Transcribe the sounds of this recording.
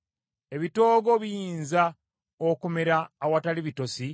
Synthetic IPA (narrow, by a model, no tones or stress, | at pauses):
e̞βito̞ːɡo̞βijiːnza | okume̞ɾaːwataliβitosi